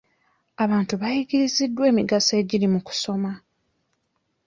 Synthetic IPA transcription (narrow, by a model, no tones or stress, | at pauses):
aβaːntuβajiɟiɾizidːwe̞ːmiɡase̞ːɟiɾimuku̥so̞ma